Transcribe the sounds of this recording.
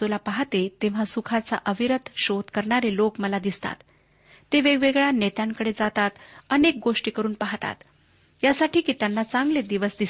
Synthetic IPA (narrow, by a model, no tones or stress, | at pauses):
olapaɦt̪et̪ẽʋ̤asukʰat͡sa̰ʔəʋiɾət̪ʰɕod̪kəɾɳaɾelokməlad̪ist̪a̰t̪ː | eʋeɡʋeɡɭjanet̪jãŋkəɽed͡zat̪at̪ənek̚ɡoʂʈiːkəɾuːnpaɦt̪a̰t̪ | jasaʈʰiːkiːt̪janːat͡saŋɡled̪iʋəsd̪is